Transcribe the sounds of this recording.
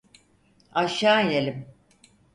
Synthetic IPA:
aʃaːjelʲim

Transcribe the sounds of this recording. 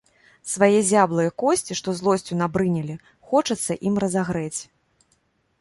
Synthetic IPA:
svajɛzʲablˠɨjɛkɔsʲt͡sʲiʂt̪ɔzlˠɔsʲt͡sʲunabɾɨnʲɛlʲi | xɔt͡ʂɐt̪sːɐʔimrɐzaɣɾɛt͡sʲ

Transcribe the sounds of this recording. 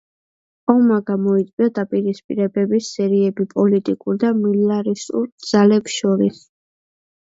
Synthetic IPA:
ɔmaɡamɔit̪sʼwiad̪apʼiɾispʼḭɾɛbɛbisɛɾiɛbipʼɔlit̪ʼikʼuɾd̪amilaɾisṵɾd̪z̥alɛpsʃɔɾis

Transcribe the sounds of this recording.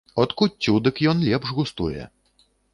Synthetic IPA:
ɔt̪kutʲːud̪ɨkjɔnlʲɛpʐɣust̪ujɛ̰

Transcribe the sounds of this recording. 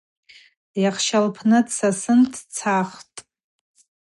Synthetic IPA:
jaχʃalpʰnɨdsasɨntʰt͡sʰaχtʼ

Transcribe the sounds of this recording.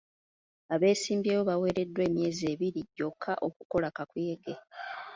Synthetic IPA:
aβe̞ːsiːmbjeːβo̞βawe̞ːɾe̞dːwe̞ːmje̞ːze̞ːβiɾiɟːo̞kʰːaʔo̞k̚u̥ko̞lakakweːɡe

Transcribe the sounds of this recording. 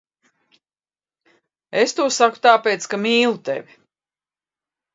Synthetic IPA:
est̪uɔsaku̥t̪aːpeːt̪skamiːlˠut̪ḛvʲi

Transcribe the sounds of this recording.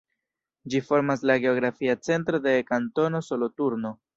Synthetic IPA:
d͡ʒifo̞ɾmaslaɡe̞o̞ɡɾafiat͡se̞ntɾo̞de̞kanto̞no̞so̞lo̞tuɾno̞

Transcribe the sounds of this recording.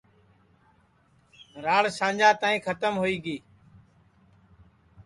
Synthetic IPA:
ɾaːɭsãːd͡ʒaːt̪aːĩːkʰət̪əmɦoiːɡiː

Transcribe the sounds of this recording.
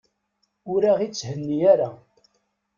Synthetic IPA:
ʊɾaʁit͡sːhənːiæɾa

